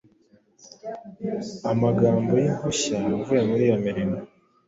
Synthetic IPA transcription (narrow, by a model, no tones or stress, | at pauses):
amaɡaːmbo̞jimhoɕajouvejemuɾijamiɾina